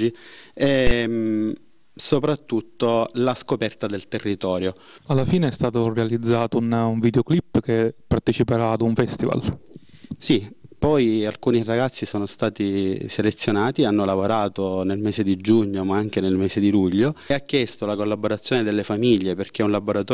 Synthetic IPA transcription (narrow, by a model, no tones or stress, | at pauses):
iɛ | sopɾat̪ːut̪ːolaskopɛrt̪ad̪elt̪erːit̪ɔːɾjo | alːafiːneɛst̪aːt̪orealid̪zːaːt̪ounuɱvid̪eoklipːkepːart̪et͡ʃipeɾaːd̪uɱfɛst̪iva̰l | sipɔjalkuːniraɡat̪sːisoːnost̪aːt̪iselet̪sːjonaːt̪ianːolavoɾaːt̪onelmeːsed̪id͡ʒuɲːomaaŋk̟enelmeːzed̪iluʎːoakːjɛst̪olakolːaboɾat̪sːjoːned̪elːefamiʎːeperk̟eunlaboɾat̪ː